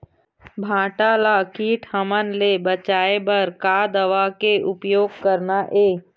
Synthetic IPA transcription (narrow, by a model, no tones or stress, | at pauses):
bʱãːʈalakiːʈʰhəmənlebət͡ʃaːebɐɾkaːd̪əʋaːkeʔʊpjoːɡkəɾnaʔeː